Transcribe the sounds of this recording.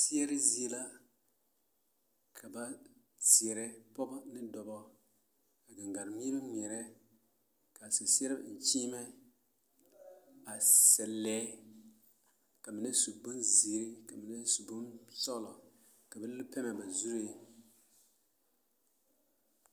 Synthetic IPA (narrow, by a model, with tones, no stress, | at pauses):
si˦ɛ˦ɾɪ˦zi˦e˦la˦ | kʰa˨ba˦ | ti˨ɛ˨ɾɛ˦pɔ˦bnɪ˦dɔ˨bɔ˦ | a˨ɡa˨ŋɡa˨ɾmi˦ɾɪ˦n˨ɛ˨ɾɛ˦ | ka˨sɛ˨si˦ɛ˦ɾɨ˦˨n̩˨t͡ʃiː˦mɛ˦ | a˨sɛ˨lːɛː˨˦ | ka˨mɪ˨nɪ˦su˨bʊ˦nzi˨ɾɪ˦ka˨mɪ˨na˦su˨bʊ˦nsɔ˦˨lɔ˨ | ka˨ba˦lɪ˦pɛ˦mɛ˨ba˨zu˦ɾe˦˨